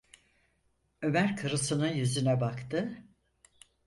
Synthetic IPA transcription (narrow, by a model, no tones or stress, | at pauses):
ø̞mæɾkʰɯɾɯsɯnɯnjyzynɛbakt̪ɯ